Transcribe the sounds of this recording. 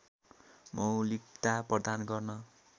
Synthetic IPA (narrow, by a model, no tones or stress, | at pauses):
mʌwlikt̪aprʌd̪anɡʌrnʌ